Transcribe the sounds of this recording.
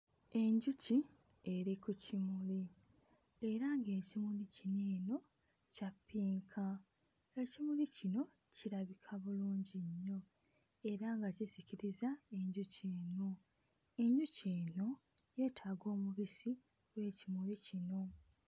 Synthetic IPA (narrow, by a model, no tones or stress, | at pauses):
e̞ɲɟuci | e̞ɾikucimuli | e̞ɾaŋɡe̞ːcimulicineːno̞ | capːiːŋkʰa | ecimulicino̞ | ciɾaβikʰaβuluːɲɟiɲːo̞ | e̞ɾaŋɡaciziciɾizae̞ɲɟuceːno̞ | e̞ɲɟuceːno̞ | je̞ːtʰaːɡo̞ːmuβisi | we̞ːcimulicino̞